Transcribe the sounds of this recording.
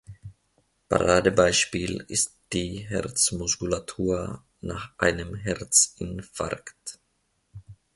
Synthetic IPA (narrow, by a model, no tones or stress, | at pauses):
pa̰ʁaːdəbaɪʃpiːlɪ̰std̥iːɦɛ̰ʁt͡smʊskulatʰuːɐ | naːχʔa̰ɪnəmɦɛʁt͡sɪnfa̰ʁkt